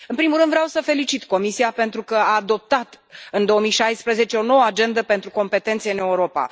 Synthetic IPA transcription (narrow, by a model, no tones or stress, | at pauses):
ɨnpɾimulɾɨnd̪vɾeawsəfe̞lit͡ʃit̪ko̞misiape̞nt̪ɾukəaːd̪o̞p̚t̪at̪ | ɨnd̪o̞omijʃajspɾəze̞t͡ʃe̞o̞no̞wəad͡ʒe̞nd̪əpe̞nt̪ɾuko̞mpe̞t̪e̞nt̪seɨne̞uɾo̞pa̰